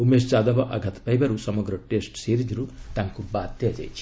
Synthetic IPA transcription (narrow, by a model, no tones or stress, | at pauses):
umeːst͡ʃaːd̪ɐʋɐʔɐ̰ɡʱɐt̪pɐjbɐɾusɐmɐɡɾɐʈeːsʈseːɾid͡ʒɾut̪ɐŋkubaːt̪jɐd͡ʒḛːt͡ʃ